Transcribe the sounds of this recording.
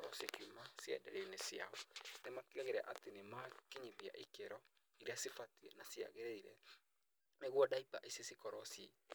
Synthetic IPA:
ɔsjekumasja̰dɛ̰ɾenesia̰ɔnemakiaɣeɾa̰ʔatenemakeɲibia̰ʔikeɾɔ | iɾeasifatiɛnasia̰ɣeɾeiɾɛ̰ | neɣwɔdaipaʔesesikɔɾɔsie

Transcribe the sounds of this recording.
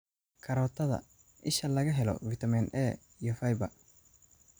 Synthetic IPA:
kʰɐɾɔːt̪ʰɐðɐ̰ | ʔɪʃɐlɐɣɐɦɛlɔ̰fɪt̪ʰɐminʔɛː | ijɔfɐjbɐ

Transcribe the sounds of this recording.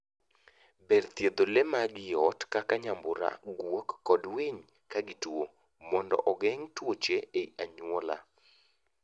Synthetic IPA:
bɛrt̪jed̪olemaɡɪɔtkakaɲambʊɾa̰ɡwokːɔdweɲ | kaɡɪto | mɔndɔ̰ʔɔɡɛŋtwot͡ʃeeiaɲwɔla̰

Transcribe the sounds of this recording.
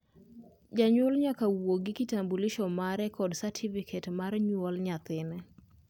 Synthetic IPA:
d͡ʒaɲwɔlɲakawoɡɪkitambulɪʃɔmaɾɛkɔdsatʰifikʰɛtmaɾɲwɔlɲat̪ɪnɛ

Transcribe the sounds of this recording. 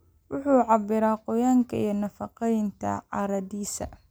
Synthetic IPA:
wʊħuːʕɑbɪɾaːqɔjaːŋkʰɐ̰ijɞnɐfɑqɛjnt̪ʰɐ̰ʕɑɾɐdiːsɐ̰

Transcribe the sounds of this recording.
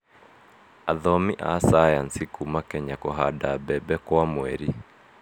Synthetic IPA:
aðɔmiʔasajansikumakɛɲakɔɦadabɛbɛkwamwɛɾi

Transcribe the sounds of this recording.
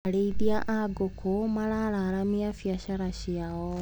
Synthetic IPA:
aleiðiaʔʔaɡokʰomalaɾaɾamiafjaɕaɾaɕiaɔ

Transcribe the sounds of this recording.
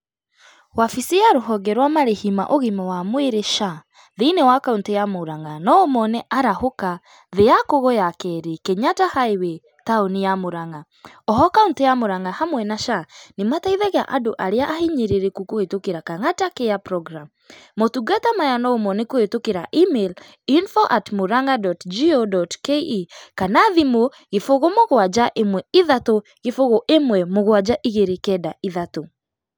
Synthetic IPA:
wafisijaɾoɦɔɡɛɾwamaɾehima̰ʔoɣimɛwamweɾeʃa | ðeinewakauntejamoɾaŋanɔomɔnɛʔaɾahoka | ðeakoɣojakɛɾekeɲatahaewe | taonijamoɾaŋa | ɔɦɔkauntejamoɾaŋahamwɛnaʃanemataiðɛɣa̰ʔadoʔaɾeaʔaɦiɲeɾeɾekukohetokeɾakaŋatakeapɾɔɡɾamː | otuɡatamajanɔomɔnekohetokeɾaʔimel | infoʔatmoɾaŋadɔtd͡ʒiodɔtkeikanaðimo | ɣefoɣomoɣwad͡ʑaʔemwɛiðato | ɣefoɣoʔemwɛmoɣwad͡ʑaʔiɣeɾekɛdaiðato

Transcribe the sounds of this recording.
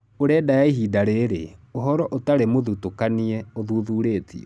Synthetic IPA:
oɾɛdajaiɦidaɾeɾeoɦɔɾɔʔotaɾemoðutokaniɛoðuðuɾeːtḭɛ̰

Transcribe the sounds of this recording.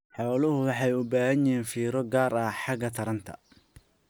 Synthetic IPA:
ħɔːlʊɦʊwɑħɑjʊbaːhɐɲɪiːnfiːɾɔɡaːɾɐħɑɣɐt̪ʰɐɾɐnt̪ʰɐ̰

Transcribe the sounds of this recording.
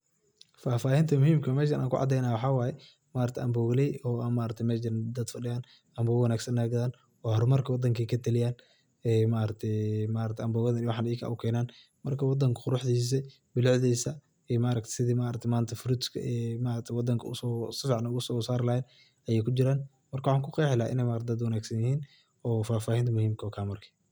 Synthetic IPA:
faːfaːhɪnt̪ʰɐmʊhiːmkʰɐmɛːʃ̬ɐnʔa̰ːŋkʰʊ̰ʕɑ̰d̪ɛjnaːwɑħɑːwaːjɛ | maːɾɐt̪ʰʔɐmbɔːɣlɛjɔːaːnmaːɾɐt̪ʰɛmɛːʃɪɾad̪ɐd̪fɐɖɪjaːn | ɐmbɔːɣwɐnaːɡsɐnːaːɡɐðaːn | ɔhɔɾmɐrkʰɐwɑd̪ːɐŋkʰɛkʰɐt̪ʰɐlɪjaːn | ɛːmaːɾɐt̪ʰɛmaːɾɐt̪ʰɐmbɔːɣɐðɐnwɑħɑːnɛjkʰɐ̰ʊkʰɛːnaːn | mɐrkʰɐwɑd̪ɐŋkʰɐ̥qʊɾʊħd̪iːs̬ɛ | bɪlʊʕðiːsɐ | ɛmaːɾɐk̚t̪ʰɛ̥sɪðimaːɾɐkt̪ʰɛmaːnt̪ʰɐfʊɾɪd̪skʰɐ̰ʔɛmaːɾɐk̚t̪ʰɛwɑd̪ːɐŋkʰɐʊ̰sɔsɪfʕnʊɣʊsɔːsaːɾɪlahɛːn | ɐjɛːjkʰʊd͡ʒɪɾaːn | mɐrkʰɐwʊħɑːŋkʰʊqɛːħɪlaːʔɪ̰nɛjmaːɾɐt̪̚d̪ɐd̪wɐnaːɡsɐnjɪhiːn | ɔːfaːfaːhɪnt̪ʰɐmʊhiːmkʰɔːkʰaːmɐrkʰi̥

